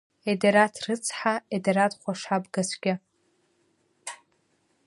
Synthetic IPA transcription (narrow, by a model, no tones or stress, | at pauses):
edeɾatʰrɨt͡sʰħaedeɾatχʷaʂabɡasʷɡʲɪ